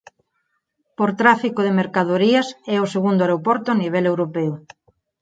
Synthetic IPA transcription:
poɾt̪ɾafikoðemeɾkað̞oɾiɐsɛoseɣund̪oaɾopɔɾt̪oaniβ̞ɛlewɾopɛʊ

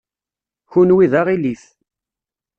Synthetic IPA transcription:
çunwiðaʁiliθ

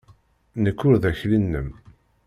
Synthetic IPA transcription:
nəkːʊɾðæçlinːəm

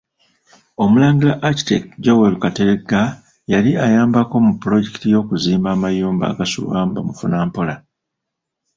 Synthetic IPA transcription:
o̞mulaːŋɡilaʔːci̥tḛkɟowelukateɾeɡa | jaliajaːmbako̞mupːulo̞ɟe̞ki̥tijo̞ːkuziːmbaːmajuːmba̰ːɡasṵβaːmbamufunaːmpo̞la

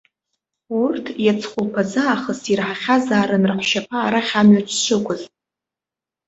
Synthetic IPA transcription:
urtʰjat͡sʰχʷʊlpʰazaːχəsirħaχʲazaːɾɨnrħʷʃapʰaːɾaχʲamɥat͡ʃʷʰʃʰʷɨkʷʰʼʊz

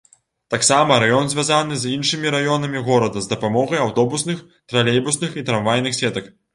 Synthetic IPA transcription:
t̪aksamɐɾajɔnzʲvʲazan̪ɨzʲinʂɨmʲiɾajɔn̪ɐmʲiɣɔɾɐd̪ɐzd̪ɐpamɔɣɐjawt̪ɔbusnɨx | t̪ɾalʲejbusnɨxit̪ɾanvajnɨxsʲɛt̪ɐk

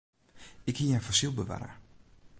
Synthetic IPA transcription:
ɪkhijafɔsilˠbəʋa̰ːɾə̰

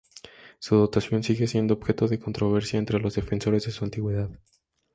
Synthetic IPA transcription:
suðo̞t̪asjo̞nsiɣe̞sje̞nd̪oːβ̥xe̞t̪o̞ðe̞ko̞nt̪ɾo̞β̞e̞ɾsjaent̪ɾe̞lo̞zðe̞fe̞nso̞ɾe̞zðesuant̪iɣwe̞ðað

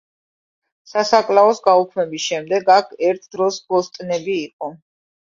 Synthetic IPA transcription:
sasakʼlaɔsɡaukʰmɛbisʃɛmd̪ɛɡakʰɛɾt̪ʰd̪ɾɔsbɔst̪ʼnɛbiːqʼɔ

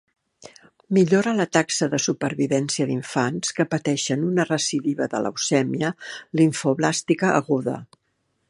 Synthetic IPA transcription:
miʎoɾələt̪aksəðəsupəɾβiβɛnsiəðiɱfanskəpət̪ɛʃənunərəsiðiβəðə̰lə̰wsɛmiəliɱfoβlast̪ikəʔːɣuðə̰

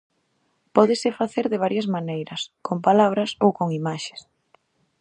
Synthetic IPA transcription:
pɔðɪsɪfaθeɾðɪβ̞aɾjɐzmanejɾɐskompalaβ̞ɾɐsowkoŋimaʃe̥s

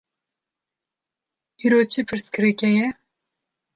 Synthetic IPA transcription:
iːɾot͡ʃʰipʰɨɾskʰɨɾɨkʲɛjɛ

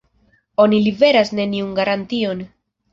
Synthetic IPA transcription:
o̞nilibe̞ɾasne̞niunɡaɾantio̞n

